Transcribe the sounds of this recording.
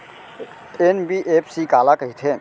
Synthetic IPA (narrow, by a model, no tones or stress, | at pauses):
enbiʔepʰsikaːlakəɦit̪ʰe